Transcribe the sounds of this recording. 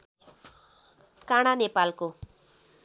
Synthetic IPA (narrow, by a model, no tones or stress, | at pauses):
kaɽ̃anepalko